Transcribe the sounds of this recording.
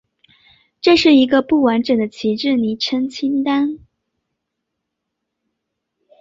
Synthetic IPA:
ʈ͡ʂɤ˥˧ʂɻ̩˥˩i˧˥ɡə˧pu˥˩wa˧˥nʈ͡ʂə˨˩ŋd̪ə˦t͡ɕʰi˧˥ʈ͡ʂɻ̩˥˩ni˨˩ʈ͡ʂʰə˥ŋt͡ɕʰi˥nt̪a˥n

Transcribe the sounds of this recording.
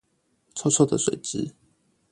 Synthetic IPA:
t͡sʰɔ˥t͡sʰɔ˥˩d̪ə˨swe˨˩ɪʈ͡ʂɻ̩˦

